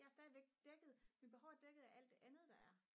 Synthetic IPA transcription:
jɑ̈æɐsd̥ɛːðˠiʋeɡ̥̚d̥eɡ̥ð̩ˠminb̥e̝hɒʊd̥eɡ̥ð̩ˠæʔæl̰d̥e̝ʔænð̞̩ˠd̥ɑ̈æɐ

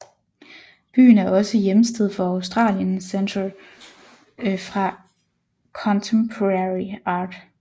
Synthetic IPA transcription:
b̥y̰ːn̩æɐɒ̽səjeməsd̥eð̞̰ˠfɒ̽ɑʊsd̥ʁɑ̰̈ːljənsent͡sʰʁɐl | fʁɑ̈ | kʰɒ̽nt͡sʰempʰoʁɑʁiɑ̈ːd̥

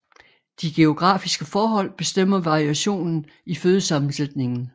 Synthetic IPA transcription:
d̥iɡ̥e̝o̝ɡ̥ʁɑ̰̈ːfisɡ̥əfɒːɦɒ̽l̰b̥e̝sd̥em̰ɐʋɑ̈ʁiæɕo̝̰ːnn̩ | iføːð̞ˠsɑ̈mn̩sed̥ne̝ŋn̩

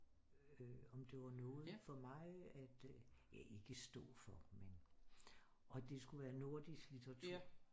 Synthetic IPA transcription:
øɒ̽md̥e̝ʋɑ̈nɔːð̩ˠfɒ̽mɑ̈ɪæd̥jæe̝ɡ̥əsd̥ɔ̰̽ːfɒ̽men | ʔɒ̽d̥e̝sɡ̥uʋæːɐno̝ɐd̥isɡ̥lit͡sʰɐt͡sʰuɐ

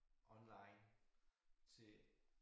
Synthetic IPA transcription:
ʔɒ̽nlɑ̈ɪn | t͡sʰe̝

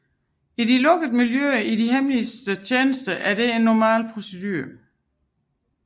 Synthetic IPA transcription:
idilɔ̽ɡ̥əð̩ˠmiljøɐidiɦemlisd̥ət͡ɕʰeːnəsd̥ɐʔæɐd̥e̝e̝nːɒmɛ̰ːlpʰʁo̝sed̥y̰ːɐ

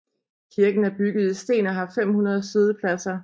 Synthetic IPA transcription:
kʰiɐɡ̥n̩æɐb̥yɡ̥ð̞̩ˠisd̥e̝̰ːnɒ̽ɦɑ̈fem̰hunɐð̞ˠseðˠəpʰlæsɐ

